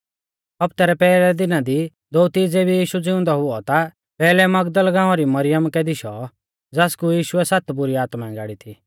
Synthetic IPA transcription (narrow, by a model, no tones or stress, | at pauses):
ɐpt̪ɛːɾɛpɛːlɛd̪ɪnad̪i | d̪oːt̪id͡zeːbʱijiːʃud͡zɪʊ̃nd̪ɔɦʊɔt̪a | pɛːlɛmɐɡd̪əlɡãːɔ̃ɾimɐɾɪjəmkɛd̪ɪʃɔ | d͡zaːskujiːʃʊɛsat̪bʊɾiaːt̪maɛ̃ɡa̰ːɽit̪ʰiː